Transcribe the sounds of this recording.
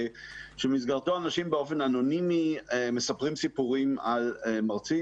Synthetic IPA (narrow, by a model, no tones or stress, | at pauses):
ʃemizɡaʁt̪oanaʃimbeo̞fe̞nano̞nimimesapʁimsipuʁimalmaʁt͡si